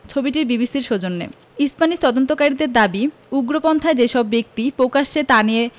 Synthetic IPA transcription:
t͡ɕʰobiʈiɾbibisiɾʃod͡ʑonːḛ | ispanit̪ɔd̪ont̪okaɾid̪eɾd̪abi | uɡɾopɔnt̪ʰaed͡ʑeʃɔbːek̚t̪ipɾokaʃet̪anije

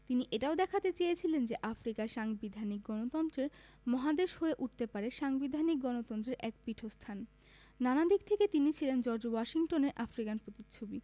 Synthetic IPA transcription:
t̪iniʔeʈaod̪ɛkʰat̪et͡ɕejet͡ɕʰilend͡ʑeʔafɾikaʃaŋbid̪ʱanik̚ɡɔnot̪ɔnt̪ɾeɾ | mɔɦad̪eʃɦoeʔuʈ̚t̪epaɾeʃaŋbid̪ʱanik̚ɡɔnot̪ɔnt̪ɾeɾʔɛk̚piʈʰost̪ʰan | nanad̪ik̚t̪ʰeket̪init͡ɕʰilend͡ʑɔɾd͡ʑowɔʃiŋʈoneɾʔafɾikanpɾot̪it͡ɕʰobi

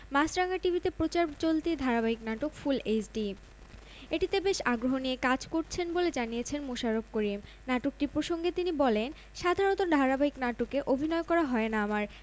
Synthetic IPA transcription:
masɾaŋaʈibʱit̪epɾot͡ɕaɾt͡ɕolt̪id̪ʱaɾabaɦiknaʈokfulesɖi | eʈit̪ebeʃaɡɾoɦoniekad͡ʑkoɾt͡ɕʰenboled͡ʑaniet͡ɕʰenmoʃaɾob̚koɾim | naʈok̚ʈiɾpɾoʃoŋɡet̪inibɔlen | ʃad̪ʱaɾont̪od̪ʱaɾabaɦiknaʈokeʔobʱinɔekɔɾaɦɔenaamaɾ

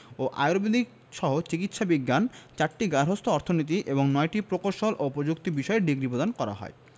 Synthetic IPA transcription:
oʔa̰jɾobed̪ik̚ | ʃɔɦot͡ɕikit̪ʃabiɡːant͡ɕaʈʈiɡaɾɦost̪ʰoɔɾt̪ʰonit̪iʔeboŋnɔjʈipɾokoɾʃolʔopɾod͡ʑukt̪ibiʃɔeɖiɡɾipɾod̪ankɔɾa̰ɦɔ̰e

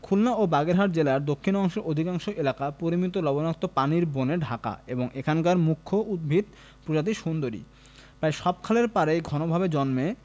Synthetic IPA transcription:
kʰulnaobaɡeɾɦaʈ̚d͡ʑelaɾd̪okʰːinɔŋʃeɾʔod̪ʱikaŋʃoʔelakapoɾimit̪olɔbonak̚t̪opaniɾboneɖʱaka̰eboŋekʰankaɾmukʰːoʔud̪̚bʱid̪̚ | pɾod͡ʑat̪̬iʃund̪oɾḭ | pɾajʃɔb̚kʰaleɾpaɾejɡʱɔnobʱabed͡ʑɔnme

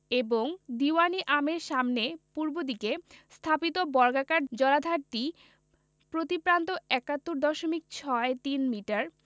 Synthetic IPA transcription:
eboŋd̪iwaniʔameɾʃamnepuɾbod̪ikest̪ʰapit̪obɔɾɡakaɾd͡ʑɔlad̪ʱaɾʈi | pɾot̪ipɾant̪oɛkat̪ːoɾd̪ɔʃomik̚t͡ɕʰɔet̪inmiʈaɾ

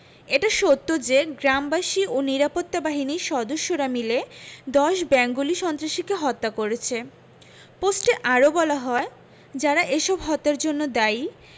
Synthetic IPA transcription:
eʈaʃot̪ːod͡ʑeɡɾambaʃioniɾapot̪ːabaɦiniʃɔd̪oʃːoɾamiled̪ɔʃbɛŋɡoliʃɔnt̪ɾaʃikeɦɔt̪ːakoɾet͡ɕʰe | posʈeʔaɾobɔlaɦɔe | d͡ʑaɾaʔeʃɔbɦɔt̪ːaɾd͡ʑonːod̪ai

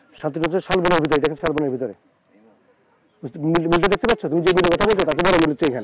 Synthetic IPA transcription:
ʃant̪inɔaʃalbonaɾbʱit̪oɾeʈakʰeʃalbonaɾbʱit̪oɾe | mimilʈ̬ed̪ek̚t̪epatːt͡ɕʰot̪umid͡ʑemilːokɔt̪ʰabolt͡ɕʰot̪at̪ebɔɾomilot͡ɕejkʰɛne

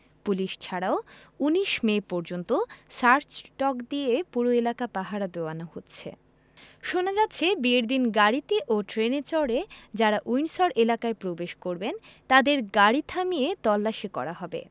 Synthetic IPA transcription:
puliʃt͡ɕʰaɽaouniʃmepɔɾd͡ʑont̪osaɾt͡ɕʈɔkd̪iepuɾoelakapaɦaɾad̪eoanahotːɕʰḛ | ʃonad͡ʑat̪ːɕʰebieɾd̪inɡaɾɽit̪eʔoʈɾenet͡ɕɔɾed͡ʑaɾaʔujnsɔɾelakaepɾobeʃkoɾbent̪ad̪eɾɡaɽit̪ʰamiet̪ɔlːaʃikɔ̰ɾaɦɔbḛ

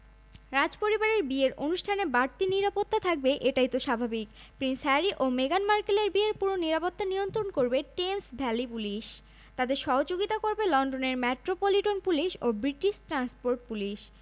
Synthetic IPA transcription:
ɾad͡ʑpoɾibaɾeɾbieɾʔonuʃʈʰanebaɾt̪iniɾapot̪ːat̪ʰak̚beʔeʈajt̪oʃabʱabik | pɾinsɦɛɾiʔomeɡanmaɾkeleɾbieɾpuɾoniɾapot̪ːanijont̪ɾonkoɾbeʈemsbʱɛlipuliʃ | t̪ad̪eɾʃɔɦod͡ʑoɡit̪akoɾbelɔnɖoneɾmeʈɾopoliʈonpuliʃobɾiʈiʃʈɾanspoɾʈ̚puliʃ

